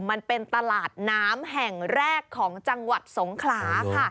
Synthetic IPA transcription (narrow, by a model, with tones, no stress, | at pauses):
ma˧npe˧nt̪a˧laː˨˩t̪̚naː˦˥mɦɛ˨˩ŋɾɛː˥˩kʰːɔː˩˦ŋt͡ɕa˧ŋwa˨˩t̪̚so˩˦ŋkʰlaː˩˦kʰa˥˩